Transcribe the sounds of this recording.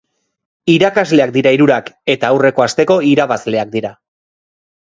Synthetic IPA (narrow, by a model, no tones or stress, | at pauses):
iɾakazle̞ak̚d̪iɾaiɾuɾake̞t̪aːwre̞ko̞ast̪e̞ko̞iɾaβazle̞ak̚d̪iɾa